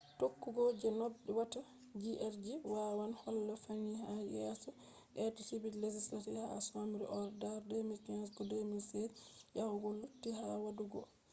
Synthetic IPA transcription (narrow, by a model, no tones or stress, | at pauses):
tokːuɡɔd͡ʒɛnɔbɗɛwata | d͡ʒiʔɛɾd͡ʒiwawanhɔlːɔfaniɦajɛsɔ | ʔɛtɔtibiled͡ʒislatiha̰samiɾɛ̰ʔɔɾdaɾdɛmikansɡɔdɛmilsɛdjahuɡɔlːutːiɦawaduɡɔ̰